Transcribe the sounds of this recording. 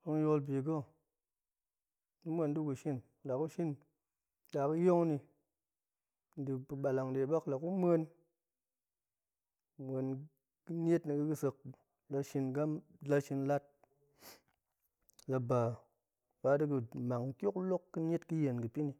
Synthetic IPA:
ko˧ŋ˦jo˧lb̬i˨ɡ̬o˦˨ | nɨ˦mʷe˧ndɨ˦ku˨ʃi˦n˨la˨ku˦ʃi˦n | da˨ku˦jo˦ŋni˧ | n̩˨dɨ˨pɨ˨ɓa˨la˨ŋde˨˦ɓa˦kla˨ku˦mʷ˦e˧n | mʷe˧n | kɨ˦n˦e˦tni˧kɨ˧ɨ˧sɨ˧k̚ | la˧ʃi˧nɡa˦m | la˧ʃi˧nla˦t̚ | la˧ba˨ | ba˧˦dɨ˦k̬ɨ˧ma˨kkʲo˦klo˦kːɨ˦n˦e˦tkɨ˦je˨nkɨ˨pi˦ni˧

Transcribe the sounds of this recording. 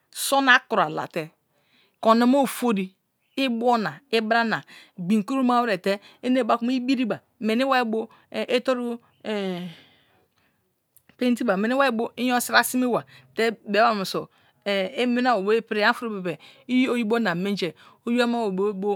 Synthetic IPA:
so˦na˦ku˨ɾa˨la̰˨te˨ | ko˨na˨mo˦˨fo˦di˨ | i˦bo˦na˨i˦bɾa˦na˨ɡ͡bi˨ŋ˨ku˦ɾu˦ma˦wɾe˨te˦e˦ne˦˨ba˦ku˦m˦i˦bi˦ɾi˦ba˨ | me˨ni˦wa˦i˦bo˦˨ | ʔe˦to˦ɾu˦˨ | pe˦n˦t̬i˦ba˨me˨ni˦wa˦e˦bo˦i˦jo˦si˦ɾa˦si˦mi˦wa˨te˦be˨˦a˦˨mo˨so˨ | e˦me˦na˦wo˨bo˦e˦pɾe˦a˦fu˦ɾu˦be˨be˨ | i˦o˦ji˦bo˦na˨me˦n˦d͡ʒe˨ | o˦ju˦a˦ma˦wo˨bo˦bo˦

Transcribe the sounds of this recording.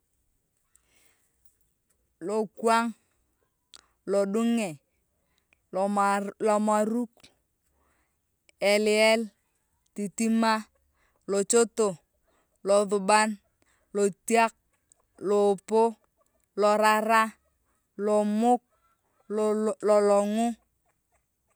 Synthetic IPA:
lo˨kwa˦ŋ | lo˨ɗu˦ŋɛ˨ | lɔ˨ma˨ɾu˦k | e˨li˨ɛ˦l | ti˨ti˦ma˦ | lo˨t͡ʃo˦to˨ | lɔ˨ðʊ˨ba˦n | lo˨tja˦k̚ | lo˨po˦ | lɔ˨ɾa˨ɾa˦ | lɔ˨mʊ˦k̚ | lɔ˨lɔ˨ŋʊ˦

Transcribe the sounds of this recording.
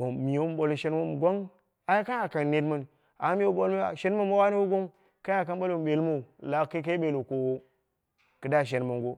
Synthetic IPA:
o˨mi˨o˦m˦ɓo˨lo˨ʃe˦n˦mo˦m˨ɡʷo˦ŋ | a˨˦i˦ka˦ja˨ka˨ne˨˦dma˨n˨ | a˨˦mi˦o˦ɓo˦la̰˨ʃe˦n˦ma˦mo˦wa˦ni˦wo˦ɡo˦ | ka˦ja˨ka˦n˦ɓo˦lo˨m˨ɓe˨lmo˦˨la˨˦kːa˦ka˦ɓe˨lo˨ko˨wo˦ | kɨ˨da˦˨ʃ̬e˨nma˨ŋɡo˦

